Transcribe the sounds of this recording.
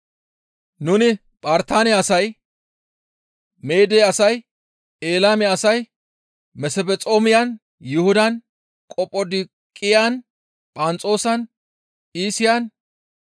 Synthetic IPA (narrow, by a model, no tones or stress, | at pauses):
nʊnɪ | pʼaːɾt̪aːnɛɐsɐj | me̞ːd̪eːɐsɐj | eːlaːmɪɐsɐj | mɛsɛbɛt͡sʼo̞ːmɪjɐn | jʊhʊd̪ɐn | kʼɔpʼːɔd̪ɪ | kʼːɪjan | pʼɐnt͡sʼo̞ːsɐn | iːsɪjan